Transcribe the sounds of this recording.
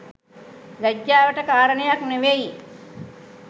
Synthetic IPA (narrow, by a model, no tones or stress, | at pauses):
ʋæɟjaːʋəʈəkaːɾənəjakneʋeji